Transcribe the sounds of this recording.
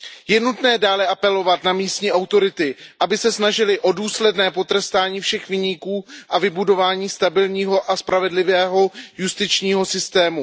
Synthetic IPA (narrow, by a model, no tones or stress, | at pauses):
jɛnut̪nɛːdaːlɛʔapɛlo̞vat̪namiːst̪ɲiːʔawt̪o̞ɾɪt̪ɪʔabɪsɛsnaʒɪlɪʔo̞duːslɛdnɛːpo̞t̪ɾɛst̪aːɲiːfʃɛxvɪɲiːkuːʔavɪbudo̞vaːɲiːst̪abɪlɲiːɦo̞ʔaspɾʔavɛdlɪvɛːɦo̞just̪ɪt͡ʃɲiːɦo̞sɪst̪ɛːmu